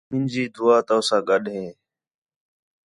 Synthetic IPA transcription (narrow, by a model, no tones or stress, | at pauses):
mɪnd͡ʒiːd̪ʊaːt̪əːʊsãːɠəɗɦẽː